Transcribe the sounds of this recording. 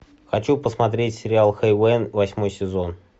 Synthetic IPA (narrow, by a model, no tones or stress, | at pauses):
xɐt͡ɕupəsmɐt̪̬ɾʲetʲsʲɪɾʲɪalˠxejvɛnvɐsʲmo̞jsʲɪzon